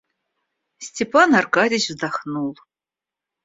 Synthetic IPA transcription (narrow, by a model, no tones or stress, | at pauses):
stʰʲepʰanarkadʲiʒzdaχnul